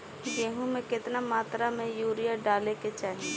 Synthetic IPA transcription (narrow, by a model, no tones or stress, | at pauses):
jeːɦũmẽkɪt̪namaːt̪ɾamẽjuːɾijaɖaːleket͡ʃaːɦi